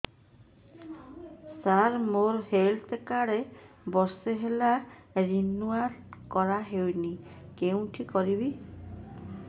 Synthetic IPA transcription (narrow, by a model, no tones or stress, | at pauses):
saɾmoɾhelt̪ekaɾe | bɔɾseɦelaɾinuaɾkɔɾaɦewnikeũʈʰikɔɾibi